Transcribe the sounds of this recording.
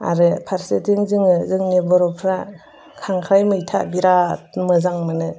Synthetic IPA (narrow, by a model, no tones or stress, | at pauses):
a̰ɾɯpʰaɾsetʰiŋzɯŋɯzɯŋnebɔɾɔpʰɾa | kʰaŋkʰɾajmɯjtʰabiɾatmɯzaŋmɯnɯ